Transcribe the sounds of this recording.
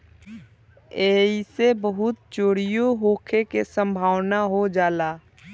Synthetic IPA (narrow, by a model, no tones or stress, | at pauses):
eːisebəɦʊt̪̚t͡ʃoːɽɪjoɦoːkʰekesə̃mbʱaːwnaɦod͡ʒaːlaː